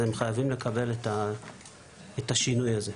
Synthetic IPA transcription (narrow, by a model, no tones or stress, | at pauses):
emχajavimle̞kʰabe̞leta | etaʃinujaze̞